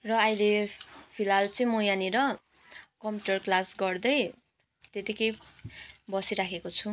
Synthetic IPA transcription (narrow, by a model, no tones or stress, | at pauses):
rʌajlepʰilalt͡sʌj̃mojaniɾʌ | kʌmpjuʈʌrklasɡʌrd̪ʌj | t̪et̪ikʌj | bʌsiɾakʰekot͡sʰu